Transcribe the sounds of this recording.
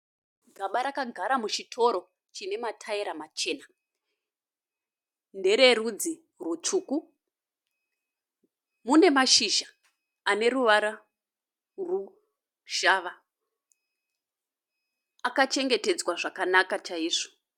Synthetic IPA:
ɡʱaɓaɾakaɡʱaɾamut͡ʃitʰo̞ɾo̞ | t͡ʃine̞matʰaiɾamat͡ʃe̞ːna | nde̞ɾe̞rud͡zi | rwut͡ʂuːku | mune̞maʃiʒa | ane̞ɾuʋaɾa | ru | ʒ̥aʋa | akat͡ʃe̞ŋɡe̞te̞d͡zwaʐakanakat͡ʃaiːʐu̥

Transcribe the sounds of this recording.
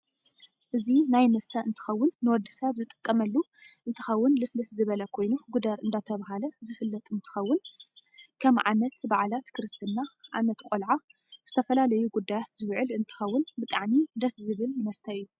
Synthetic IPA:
ʔɨzinajmɐst̪ʰɐɨnt̪ʰɨ̥xɐwːʊnːɨwɔd̪ːisɐβzɨt̪ʼɨ̥kʼːɐmɐlːu | ʔɨnt̪ʰɨ̥xɐwːʊnlɨslɐszɨβɐlɐkʰo̞jnuɡud̪ɐɾɨnd̪at̪ʰɐβaɦalɐzɨfɨlːɐt̪ʼɨnt̪ʰɨ̥xɐwːʊn | kʰɐmʕa̰mɐt̪baʕalat̪kʰɾɨst̪ʰɨnːaʕa̰mɐt̪kʼolʕa | z̥ɨt̪ʰɐfɐlalɐjuɡud̪ːajat̪zɨβʕɨlɨnt̪ʰɨ̥xɐwːʊnbɨt̪ʼaʕmid̪ɐszɨβɨlmɐst̪ʰɐɨjːu

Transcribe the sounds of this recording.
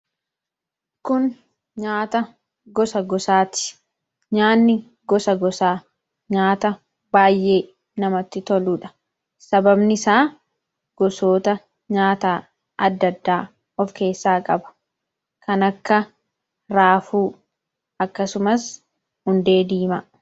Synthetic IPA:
kʊn | ɲaːt̪ɐ | ɡɔsɐɡɔsaːt̪ɪ̥ | ɲaːnːɪ | ɡɔsɐɡɔsaː | ɲaːt̪ɐ | baːjʔe̞ː | nɐmɐt̪ːɪt̪ɔluːᶑɐ̥ | sɐbɐbnɪsaː | ɡ̥ɔsoːt̪ɐ | ɲaːt̪aː | ɐd̪ːɐd̪ːaː | ɔfke̞ːsːaːkʼɐbɐ̥ | kɐnɐkːɐ | ɾaːfuː | ɐkːɐsʊmɐs | hʊnd̪e̞ːd̪iːmɐ

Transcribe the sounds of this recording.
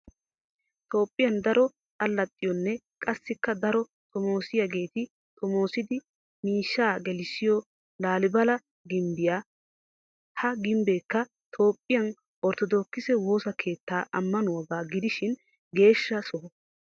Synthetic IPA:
t̪ʰo̞ːpʼːɪjɐnd̪ɐɾɔ | t̪ʼɐlːɐt̪ʼːɪjɔnːɛ | kʼɐsːɪkːɐd̪ɐɾɔ | t̪ʰɔmo̞ːsɪjaɡe̞ːt̪ɪ | t̪ʰɔmo̞ːsɪd̪ɪ | miːʃːaːɡɛlɪsɪjɔ | laːlɪbɐlɐ | ɡɪmbɪjaː | hɐɡɪmbe̞ːkːɐ | t̪ʰo̞ːpʼːɪjɐn | ʔɔɾt̪ɔd̪o̞ːkːɪsɛwo̞ːsɐkʰe̞ːt̪ːaːʔɐmːɐnʊwɐɡaːɡɪd̪ɪʃɪn | ɡe̞ːʃːɐsɔ

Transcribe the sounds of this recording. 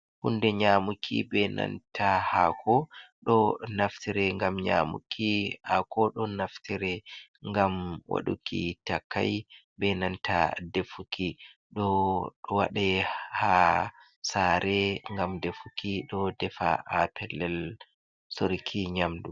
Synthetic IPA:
hundɛɲamukʰḭbɛna̰ntʰahakʰɔɗɔnaftiɾɛŋɡamɲamṵkʰihakɔɗɔnaftiɾɛŋɡamwa̰ɗukʰḭtakʰːa̰j | bɛnantʰa̰defukʰiɗɔɗɔwa̰ɗɛha | saɾɛŋɡamdefukiɗɔdɛfa̰ʔapʰɛlːɛl | soɾikʰiɲamdu

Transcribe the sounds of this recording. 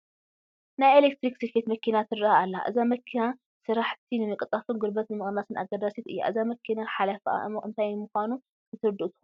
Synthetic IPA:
najelek̚t̪ɾiksefet̪mɐkʰinat̪ʰɨraaalːa̰ʔɨzamɐkʰːina | sɨɾaħt̪ʰinɨmɨkʼɨt̪ʼafunɡɨɾbɐt̪nɨmɨχʼnasɨna̰ɡɐd̪aset̪ɨ̰jːa̰ʔɨzamɐkʰinaħalafa̰ɨnt̪ʰajɨmuxʷanu | nɨt̪ʰɨɾɨd̪ɨʔt̪ɨ̥xu

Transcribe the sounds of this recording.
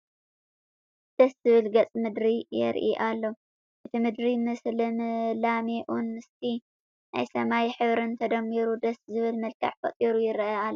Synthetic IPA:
d̪̥ɐszɨβɨlɡɐt͡sʼmɨd̪ɾijɛ̰ɾʔḭʔalːo | ʔɨt̪ʰimɨd̪ɾimɨslɨmlameʔunːɨst̪ʰi | na̰jsɐmajħɨβɾɨnt̪ʰɐd̪ɐmːiɾud̪ɐszɨβɨlmɐlkʰɐ̰ʕfɐ̰t̪ʼiɾujɪɾɐʔalːo

